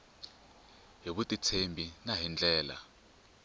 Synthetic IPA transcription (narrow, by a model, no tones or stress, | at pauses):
ɦiɓutʼit͡sʰembʱinaɦind͡ɮʱɛːla̰